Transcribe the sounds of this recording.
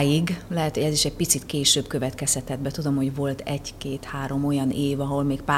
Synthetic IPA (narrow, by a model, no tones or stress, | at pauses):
jiɡlɛɦɛt̪ho̞ɟɛziʃɛɟ̚pit̪sit̪keːʃøːbkø̞vɛt̪kɛshɛt̪ɛd̪̚bɛt̪ud̪o̞mho̞ɟvo̞lt̪ʰɛɟkeːt̪haːɾo̞mo̞jɒnʔeːvɒɦo̞lmeːk̚paː